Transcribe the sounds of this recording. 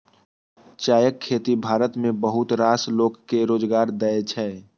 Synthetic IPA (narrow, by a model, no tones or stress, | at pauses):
t͡ʃaːjəkʰːeːt̪ibʱaːɾət̪mẽbəɦʊt̪ɾaːsloːɡkeɾoːd͡ʒɡaːɾd̪əet͡ʃʰɛː